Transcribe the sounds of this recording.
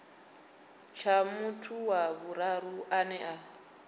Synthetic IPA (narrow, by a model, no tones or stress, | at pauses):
t͡ʃʰamutʰuwaβuɾaɾuʔanɛʔa